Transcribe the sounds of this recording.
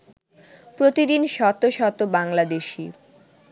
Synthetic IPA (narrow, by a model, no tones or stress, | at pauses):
pɾot̪id̪inʃɔt̪ːoʃɔt̪obaŋlad̪eʃi